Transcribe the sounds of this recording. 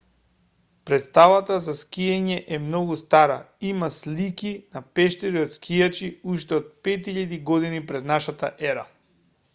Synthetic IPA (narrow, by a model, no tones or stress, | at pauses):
pɾɛt̪st̪avat̪azaskʲiɛɲɛʔɛmnɔɡust̪aɾa̰ | imaslikʲinapɛʃt̪ɛɾiot̪skijat͡ʃiuʃt̪ɛot̪̚pɛt̪iʎad̪iɡɔd̪inipɾɛd̪naʃat̪a̰ʔɛɾa